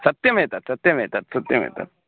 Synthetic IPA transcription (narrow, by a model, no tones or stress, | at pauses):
sɐt̪jɐmet̪ɐt̪sɐt̪jɐmet̪ɐt̪sɐt̪jɐmḛt̪ɐ̰t̪̚